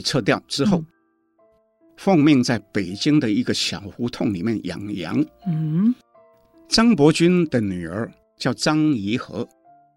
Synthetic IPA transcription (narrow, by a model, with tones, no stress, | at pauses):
t͡sʰɤ˥˧t̪jɑ˥˩ʊʈ͡ʂɻ̩˥xo˥˩ʊ | fɑ˥˧ŋmji˥˧ŋt͡sa˥˩ɪpe˨˩ɪt͡ɕi˥ŋd̪ə˨i˧˥ɡə˧ɕjɑ˨˩ʊxu˧˥t̪ʰʊ˥˩ŋlḭ˨˩mjɛ˥˩njɑ̰˨˩ŋjɑ̰˧˥ŋ̩ | ʈ͡ʂɑ˥ŋpwɔ˧˥t͡ɕy˥nd̪ə˨ny˨˩ə˞˧˥ | t͡ɕjɑ˥˩ʊʈ͡ʂɑ˥ŋi˧˥xɤ̰˧˥